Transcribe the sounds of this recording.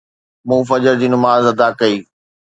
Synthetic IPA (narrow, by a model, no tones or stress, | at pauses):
mũːfɐd͡ʑəɾd͡ʑiːnʊmaːzɐd̪akɐiː